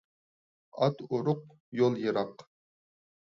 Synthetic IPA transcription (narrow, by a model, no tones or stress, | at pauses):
ɑt̪ʊɾʊq | jolˠjɨɾɑq